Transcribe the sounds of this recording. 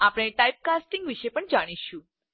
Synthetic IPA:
apɽ̃eʈajp̚kasʈĩŋɡʋiʃepəɳd͡ʒaɽ̃iʃũ

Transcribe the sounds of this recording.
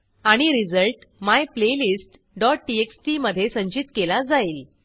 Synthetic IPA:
aɽ̃iɾid͡zəlʈmajplelisʈ | ɖɔʈ̚ʈieksʈiməd̪ʱːjesəɲt͡ɕit̪kelad͡zaiːl

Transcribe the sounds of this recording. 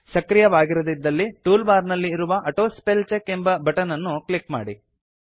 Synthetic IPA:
sɐkɾijɐʋaːɡiɾod̪id̪ːɐlːiʈuːlbaːɾnɐlːiːɾuʋɐʔɐʈoːspelt͡ʃekːembɐbʱɐʈɐnɐnːuklikma̰ːɽi

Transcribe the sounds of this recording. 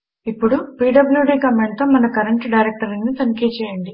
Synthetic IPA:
ipːuɽupiːɖɐbuljuɖiːkɐmeɳɖt̪oːmɐnɐkɐɾɐɳʈɖɐjɾek̚ʈɐɾɐnːit̪ɐnikeːt͡ʃɛːjɐɳɖi

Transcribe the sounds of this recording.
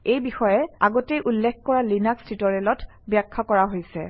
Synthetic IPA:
ejbixɔjɛa̰ɡɔtejʔulːɛkʰkɔɹalinakstʰitɔɹɛlɔt | bjakʰːɔkɔɹaɦojsɛ

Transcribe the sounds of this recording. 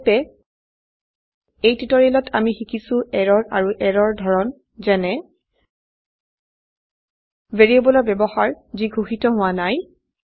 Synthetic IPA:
pɛ | ejtɹitɔɹilɔtʰamixikʰisʊ̃ʔɛɹɔɹa̰ɹuʔɛɹɔɹdʱɔɹɔn | zɛnɛ | veɹiebɔlɔbɛbɔxaɹziɡʱuxitɔɦʊwanaj

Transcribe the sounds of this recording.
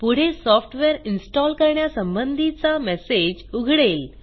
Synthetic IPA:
puɽ̤esɔfʰʈʋeɾɪnsʈɔlkəɾɳjasə̃mbənd̪ʱit͡samɛsed͡ʑuɡʱɽeːl

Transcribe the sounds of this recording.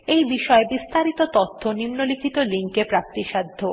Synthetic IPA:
ejbiʃɔebist̪aɾit̪ot̪ot̪ʰːonimnolikʰit̪oliŋkepɾap̚t̪iʃad̪ʱːo

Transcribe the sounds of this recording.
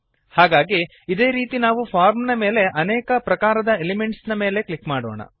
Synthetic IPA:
haːɡaːɡi | id̪e̞ːɾiːt̪inaːʋupʰaːɾmnɐme̞ːle̞ʔɐneːkɐpɾɐkaːɾɐd̪ɐelimeɳʈsnɐme̞ːle̞klikmaːɽo̰ːɳɐ̰

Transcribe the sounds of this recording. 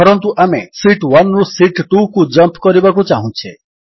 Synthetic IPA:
pɔɾɔnt̪uʔamesiʈwanɾusiʈʈukud͡ʒʌmpkɔɾibakut͡ʃaɦũt͡ʃʰe

